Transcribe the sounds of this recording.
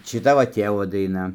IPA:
ʃʲɪˈtɐ ʋɐ ˈtʲeːʋoː dɐɪˈnɐ

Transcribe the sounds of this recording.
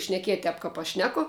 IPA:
ʃʲnʲɛˈkʲiɛtʲ ˈtʲɛp ˈkɐp ɐʃ ˈʃʲnʲæːkoː

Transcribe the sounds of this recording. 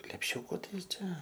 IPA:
lʲɛpʲˈʃʲʊkʊ ˈtɐɪ ˈt͡ʃʲɛ

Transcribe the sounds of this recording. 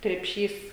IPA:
krʲɛpʲˈʃʲiːs

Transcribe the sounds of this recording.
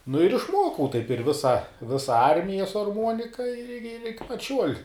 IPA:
nʊ ɪr ɪʃˈmuɔkɐʊ tɐɪp ɪr ˈʋʲɪsɐ ˈʋʲɪsɐ ˈɐrʲmʲɪjɛ sʊ ɐrˈmuɔnʲɪkɐ ɪr ɪr ɪkʲɪ pɐt ˈʃʲuɔlʲ

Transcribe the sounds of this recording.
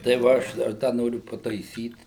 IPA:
tɐɪ ʋɐ ˈɐʃ dɐr ˈdɐ ˈnoːrʲʊ pɐtɐɪˈsʲiːt

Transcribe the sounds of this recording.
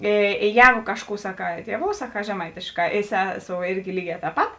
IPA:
eː eː ˈjɛːɡʊ ˈkɑːʃˌkuː sɐˈkɑː ˈtʲiɛˌʋoːʊ sɐˈkɑː ʒʲɛˈmɐɪtʲeːʃˌkɑː ɪ ˈsʲæːˌsoːʊ ˈɪrʲɡʲɪ ˈlʲiːˌɡʲɛː tʲɛːp ˈpɐt

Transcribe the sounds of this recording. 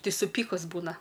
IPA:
ˈtɐɪ sʊˈpʲiːkʊs ˈbuːnɐ

